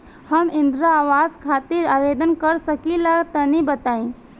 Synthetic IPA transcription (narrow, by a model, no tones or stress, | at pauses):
hɐmɪ̃nd̪ɾaaːʋaːzkʰaːt̪ɪɾaːʋeːd̪ənkɐɾsəkilaɡt̪ɐnibət̪aːĩ